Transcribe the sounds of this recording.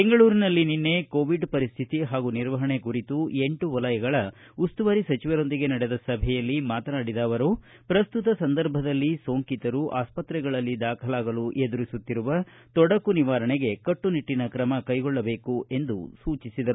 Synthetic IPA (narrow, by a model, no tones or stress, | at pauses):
beŋɡɐɭuːɾinɐlːininːe̞koːʋiɖpɐɾist̪ʰit̪iɦaːɡuniɾʋɐɦɐɳekuɾit̪ue̞ɳʈuʋɐlɐjɐɡɐɭɐ | ust̪uʋɐɾisɐt͡ʃiʋɐɾo̞nd̪iɡe̞nɐɽed̪ɐsɐbʱɛjɐlːimaːt̪ɐnaːɽid̪aːʋɐɾu | pɾɐst̪ut̪ɐsɐnd̪ɐɾbʱɐd̪ɐlːiso̞ːŋkit̪ɐɾuʔa̰ːspɐt̪ɾɛɡɐɭɐlːid̪aːkʰɐlaːɡɐluʔe̞d̪uɾisut̪ːiɾuʋɐ | t̪ɔɽɐkuniʋaːɾɐɳeɡe̞kɐʈːuniʈːinɐkɾɐmɐkɐjɡɔɭːɐbe̞ːkuʔe̞nd̪ṵsuːt͡ʃisid̪ɐɾu